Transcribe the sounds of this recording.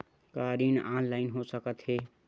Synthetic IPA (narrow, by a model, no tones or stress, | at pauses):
kaɾinanlaɪnɦosəkət̪ɦe